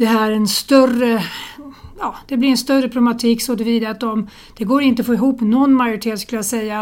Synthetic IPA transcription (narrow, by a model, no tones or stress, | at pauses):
d̪̥ɛɦæːɾɛnst̪œrə | jɑːd̪̥ɛblɪɾɛnst̪œrːəpʰlɛmat̪ʰiːksoːd̪əviːd̪aat̪̚d̪ɔm | d̪̥ɛɡoːɾɪnt̪əfoːɪɦuːpnɔnːmajʊɾɪʈ̪ʰeːt̪skɵləjasɛjːa